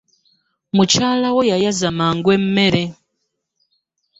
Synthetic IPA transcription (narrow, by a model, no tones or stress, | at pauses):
mut͡ʃalawɔjajazamaŋɡwɛm̩meɾɛ